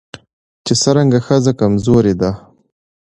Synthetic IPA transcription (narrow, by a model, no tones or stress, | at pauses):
t͡ʃesəɾaŋɡaxəzakamzoɾed̪a